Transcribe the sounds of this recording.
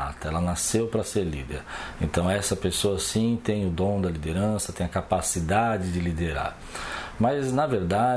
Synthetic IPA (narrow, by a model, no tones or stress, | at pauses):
at̪ɐɛlɐnasewpɾɐseɾlḭd̪eɾẽnt̪ɐ̃w̃ɛsɐpesoɐsĩt̪ẽj̃ʊd̪õw̃d̪ɐlid̪eɾɐ̃sɐt̪ẽj̃ɐkapasid̪ad͡ʒɪd͡ʒɪlid̪eɾa̰ɾ | mɐznɐveɾd̪a